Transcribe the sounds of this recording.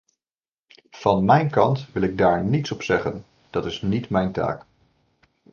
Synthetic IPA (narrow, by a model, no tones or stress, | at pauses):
v̥ɑnmɛjnkɑntʋɪlˠɪɡ̚daːɹnitsɔpsɛχən | d̥ɑtɪsnitmɛjnta̰ːk